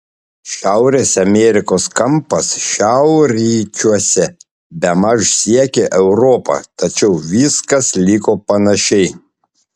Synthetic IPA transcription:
ʃʲæˑʊɾʲeːsɐmʲɛɾʲɪkoːskɐmpɐsʃʲæˑʊɾʲiːt͡ʃʲuɔsʲɛ | bʲɛmɐʃsʲiɛkʲeʔɛʊɾoːpɑ̰ːt̪ɐt͡ʃʲɛʊʋʲiːskɐslʲiːkoːpɐnɐʃʲɛɪ

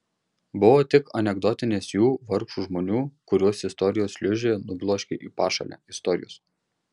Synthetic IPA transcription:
bʊʋoːt̪ʲɪkɐnʲɛɡd̪ɔt̪ʲɪnʲeːsjuːʋɐɾkʃuːʒmoːnʲuːkʊɾʲuɔsɪst̪ɔɾʲɪjoːslʲʊʒʲeːnʊblˠoːʃʲkʲḛʔiːpɑːʃɐ̰lʲæ̰ːɪst̪ɔɾʲɪ̰jo̰ːs

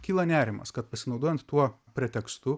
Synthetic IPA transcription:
kʲiːlˠɐnʲæːɾʲɪmɐ̰skɐt̪̚pɐsʲɪnɒʊd̪oɔjɛnt̪t̪ːuɔ | pʲɾʲɛt̪ʲɛkst̪ʊ

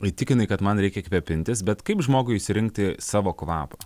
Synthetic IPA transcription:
ɪt̪ʲɪkʲɪnɐɪkɐt̪mɐnɾʲɛɪkʲɛkʋʲɛpʲɪnʲt̪ʲɪsbʲɛt̪kɐɪpʒmoːɡʊɪɪʃʲsʲɪɾʲɪŋk̚t̪ʲɪsɑːʋoːkʋɑ̰ːpɐ

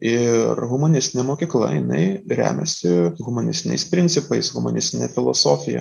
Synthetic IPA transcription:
ɪɾɣʊmoːnʲɪsʲt̪ʲɪnʲɛmoːkʲiːklˠɐ̰jɪnɐ̰ɪɾʲæ̰ːmʲɛsʲɪɣʊmonʲɪsʲt̪ʲɪnʲɛ̰ɪspʲɾʲɪnʲt̪sʲɪpɐɪsɣʊmo̰nʲɪsʲt̪ʲɪnʲɛfʲɪlˠo̰soːfʲɪjɛ̰

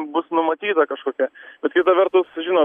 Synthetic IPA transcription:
bʊsnʊmɐt̪ʲiːt̪ɐkɐʃkoːkʲɛb̥ʲɛt̪kʲɪt̪ɐʋʲɛɾt̪ʊsʒʲɪnoː

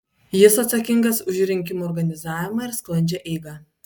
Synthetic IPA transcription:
jɪsɐt̪sɐkʲɪŋɡɐsʊʒʲɾʲɪŋʲkʲɪmuɔɾɡɐnʲɪzɑːʋʲɪmɑɪɾsklˠɐnʲd͡ʒʲɛʔɛɪɡɑ

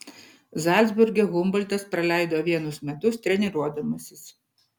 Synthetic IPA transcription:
zɑˑlʲd̪zʲbʊɾʲɡʲɛɣʊmbɐlʲd̪ʲɐspɾɐlʲæˑɪd̪oːʋʲiɛnʊsmʲɛt̪ʊst̪ʲɾʲɛnʲɪɾuɔd̪ɐmɐsʲɪs

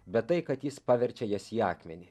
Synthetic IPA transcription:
bʲɛt̪t̪ːɐɪkɐt̪jɪspɑːʋʲɛɾʲt͡ʃʲɛjɛsiːɑːkmʲɛnʲɪ

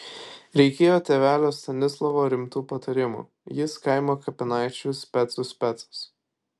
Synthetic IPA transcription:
ɾʲɛɪkʲeːjoːt̪ʲeʋʲæːlʲoːst̪ɐnʲɪslˠɐʋoːɾʲɪmt̪uːpɐt̪ɐɾʲɪmṵː | jɪskɐɪmoːkɐpʲɪnɑɪt͡ʃʲʊsʲpʲɛt̪sʊsʲpʲɛt̪sɐ̥s

